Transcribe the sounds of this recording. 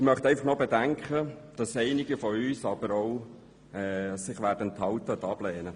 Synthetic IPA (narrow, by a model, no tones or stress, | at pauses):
mœχt̪ɛɪfɑχnobɛdæŋkχəd̥ɑsɛɪnɪɡəfɔyːsɑb̥əɾoʊ | ɛːsɪχʋæːɾdənt̪hɑlt̪əʊd̪ɑb̥lɛːnə